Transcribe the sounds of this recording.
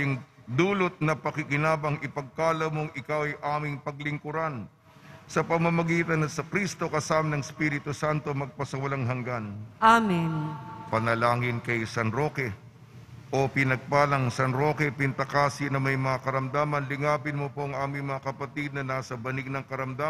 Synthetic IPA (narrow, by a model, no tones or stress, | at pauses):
jɪŋd̪uːlot̪̚nɐpɐkɪkɪnaːbɐŋɪpɐɡ̚kaːlɐwmoŋʔɪkawɐjʔaːmɪŋpɐɡlɪŋkʊɾan | sɐpɐmɐmɐɡiːt̪ɐnːɐsɐkɾist̪o̞kɐsaːmɐnɐŋspiɾɪt̪ʊsant̪o̞mɐɡ̚pɐsɐwɐlaŋɦɐŋɡanʔaminpɐnɐlaːŋɪnkɐjsɐnɾo̞ːkɛ | ʔo̞pɪnɐɡ̚paːlɐŋsɐnɾo̞kɛpɪnt̪ɐkaːsɪnɐmɐjmɐŋakɐɾɐmd̪aːmɐnlɪŋaːpɪnmopo̞ʔɐŋʔaːmɪŋmɐŋakɐpɐt̪id̪̚nɐnaːsɐbɐnɪɡ̚nɐŋkɐɾɐmd̪a